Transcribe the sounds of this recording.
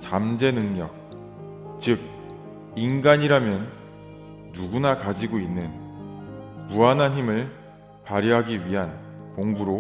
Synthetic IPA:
t͡ɕamd͡ʑe̞nɯŋɲʌk̚ | t͡ɕɯk̚ | inɡaɲiɾamjʌnː | uɡunakad͡ʑiɡoinːɯn | muanɦanɦimɯɭ | paɾjʌɦaɡiɥiɦankoŋɡuɾo

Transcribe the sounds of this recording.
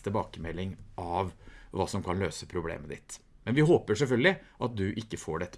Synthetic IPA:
t̪əbɑːkəmɛlːɪŋʔɑʋʋɑ̰ːsɔmkʰɑnløːsəpʰɾʊblḛːməd̪ɪ̰t̪mɛnʋɪɦoːpəʂɛlfœlɡ̪lɪʔɑt̪̚d̪ʉʔɪkːəfoːɖɛt̪ːə

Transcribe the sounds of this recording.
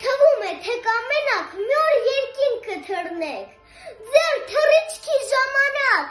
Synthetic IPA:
t̪ʰəvumɛt̪ʰɛkɑmɛnɑkʰmjɔɾjɛɾkinkːəd̪ʰʱəɾnɛkʰ | d͡zɛɾt̪ʰərit͡ʃʰkʰiʒɑmɑnɑk

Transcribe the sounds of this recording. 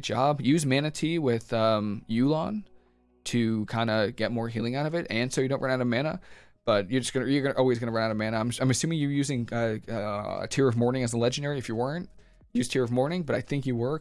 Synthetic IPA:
d͡ʒɑ̰bjʉzmæñɨtʰiwɪð̥ʌ̃mjʉlˠɑ̃n | tʰɨkʰãɪ̃ndəɡ̥ɛt̚mɔɹɦilˠɪ̃ŋaʊɾʌvɨtɨ̃nsoʊjɨɾõʊ̃ʔʌ̃naʊɾʌvmæñə̰ | b̥ʌt͡ʃə˞d͡ʒʌsɡ̥ʌnəjə˞ɡʌnəʔɔlˠwizɡʌñəɹʌ̃naʊɾʌvmæ̃ñəãɪ̃mãɪ̃mɨsʉ̃mɪ̃ŋjə˞jʉzɪ̃ŋʌʌə̰tʰɪɹʌvmɔɹnɪ̃ŋɨzəlɛd͡ʒɨ̃n̩dɛɹiɨfjɨwɜ˞ɨ̃nt̚ | jʉz̥tʰɪɹʌvmɔɹnɪ̃ŋbʌɾaɪθɪ̃ŋkjɨwɜ˞k

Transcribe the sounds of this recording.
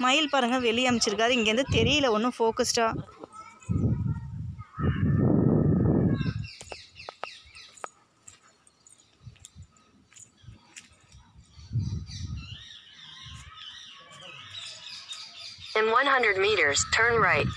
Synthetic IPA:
mɐjɪlpaːɾɯŋɡɐʋɛɭːɪjamɪt͡ʃːɪɾɯkːaːðɯɪŋɡeːɾnd̪ɯt̪ɛɾɪjɪlɐɔnːɯ̃foːkɐsʈaː | ɪ̃nwʌ̃nɦʌ̃ndɹəd̚miːɾə˞z̥tʰɜ̃˞nɹaɪt̚

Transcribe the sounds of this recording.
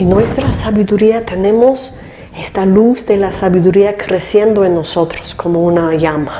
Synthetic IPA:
inwe̞st̪ɾasaβiðuɾiat̪e̞ne̞mo̞s | e̞st̪aluzd̪elasaβiðuɾiakɾe̞sje̞nd̪oenːo̞so̞t̪ɾo̥skʰo̞mounaʝama

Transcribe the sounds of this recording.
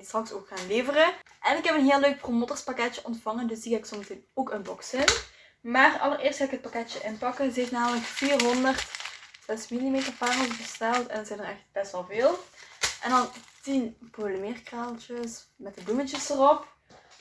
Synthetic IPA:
strɑksoːkxaːnleːvərəʔɛnɪkɦɛpənɦeːlˠːøːɥk̚promoːtərspakɛtjəʔɔntfɑŋəndɵsdikaɪksoməteːnoːkənbɔksɪn | maːrɑ̰lˠərɪːrstxaːɪkɦət̚pakɛtjəʔɪnpɑkənzəɦeftnaːmələkfiːrɦɔndərtz̥ɛsmilimeːtərpaːroːvəɣəstɛlˠtɛ̰ndɑnzɛjnərɛxt̚b̥ɛstʋɛlˠveːlˠʔɛ̰ndɑntinpoləmɪːrkraːlˠt͡ʃəsmɛtdəblumət͡ʃəsərɔp

